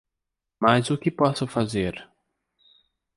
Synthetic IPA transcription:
mazʊkɪpɔsʊfazeɾ

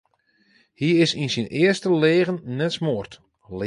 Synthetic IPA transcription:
hiɪsinsinɪərstəleːɣənːɛtsmoərt | l

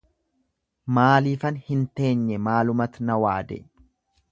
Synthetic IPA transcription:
maːliːfɐnhɪnt̪e̞ːɲːɛmaːlʊmɐt̪nɐwaːd̪ɛ̰ʔ

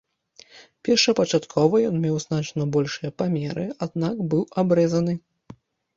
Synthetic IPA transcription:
pʲɛrʂɐpɐt͡ʂat̪kʰɔvɐjɔnmʲɛwznat͡ʂnɐbɔlʲʂɨjɐpamʲɛɾɨad̪nakbɨwabɾɛzɐnɨ

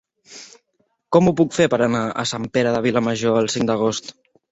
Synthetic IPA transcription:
kɔmupukfepəɾənaə̰sampeɾəðəβ̞iləməʒoəlˠsiŋd̪əɣ̞ost̪

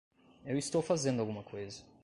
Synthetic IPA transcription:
ewist̪owfazẽnd̪uawɡumɐkʰojzɐ

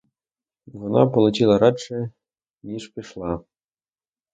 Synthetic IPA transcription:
ʋɔnɑ̰polˠut͡ɕilˠɐɾɑʂɘ | nʲiʂpʲiʂlˠɑ

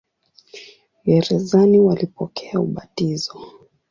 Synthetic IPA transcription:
jɛɾɛzaniwalipɔkʰɛauɓatizɔ

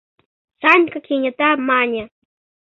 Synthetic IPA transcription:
sankakɪɲat̪amaɲa

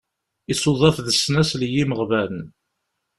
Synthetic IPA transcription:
isoðˤɑθðəsːnæsljiməʁvæln

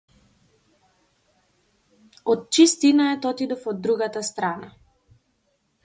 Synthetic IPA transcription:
ɔt̪̚t͡ʃist̪inaɛt̪ɔt̪id̪ɔfɔd̪ːɾuɡat̪ast̪ɾana

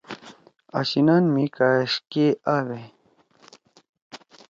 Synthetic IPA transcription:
a̰ɕinanmikaʂkeawe

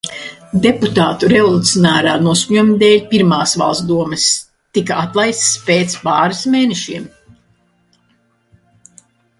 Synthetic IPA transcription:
d̪eput̪aːt̪uɾevɔlˠut̪sʲiɔnaːɾaːnuɔskuɲumid̪eːlʲpiɾmaːsva̰lˠst̪d̪uɔmɨs | t̪ikaat̪lˠajst̪speːt̪spaːɾismeːneʃiɛm

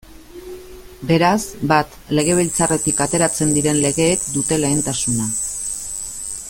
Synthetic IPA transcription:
be̞ɾasbat̪ | le̞ɣ̞e̞β̞ilt͡sare̞t̪ikat̪e̞ɾat͡se̞nd̪iɾe̞nle̞ɣe̞ːkd̪ut̪e̞le̞ːnt̪asuna

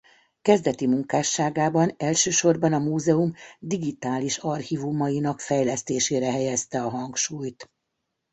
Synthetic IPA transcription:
kɛzd̪ɛt̪imuŋkaːʃːaːɡaːbɒnɛlʃøːʃo̞rbɒnɒmuːzɛumd̪iɡit̪aːliʃɒrhivumɒjinɒkfɛjlɛst̪eːʃeːɾɛɦɛjɛst̪ɛɒɦɒŋkʃuːjt̪

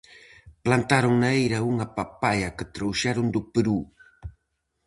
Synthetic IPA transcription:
plant̪aɾʊŋnaejɾauŋapapajakət̪ɾowʃaɾʊnd̪ʊpəɾu

